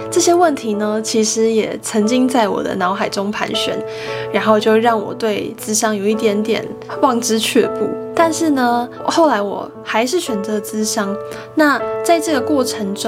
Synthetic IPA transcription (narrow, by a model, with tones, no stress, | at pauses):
ʈ͡ʂɤ˥˩ɕjɛ˥wə˥˨˩nt̪ʰi˧˥nə˧t͡ɕʰi˧˥ʂɻ̩˧˥jɛ̰˨˩t͡sʰə˧˥ŋt͡ɕi˥ŋt͡sa˥˩ɪwɔ̰˨˩d̪ə̰˦nɑ˧˥ʊxa˨˩ɪʈ͡ʂʊ˥ŋpʰa̰˧˥nɕɥɛ̰˧˦n | ɻa˧˥nxo˥˧ʊt͡ɕjo˥˧ʊɻɑ˥˩ŋwɔ̰˨˩t̪we˥˩ɪt͡sɹ̩˥ɕjɑ˥ŋjo˨˩ʊi˥˩t̪jɛ˧˥nt̪jɛ̰˨˩nwɑ˥˧ŋʈ͡ʂɻ̩˥t͡ɕʰɥɛ̰˥˧pṵ˥˩t̪a˥˧nʂɻ̩˥˩nə˩ | xo˥˩ʊla˧˥ɪwɔ̰˨˩ | xa˧˥ɪʂɻ̩˥˩ɕɥɛ˨˩nt͡sɤ˧˥t͡sɹ̩˥ɕɑ˥ŋ | na˥˧t͡sa˥˧ɪʈ͡ʂɤ˥˩ɡə˩kwɔ˥˩ʈ͡ʂʰə˧˥ŋʈ͡ʂ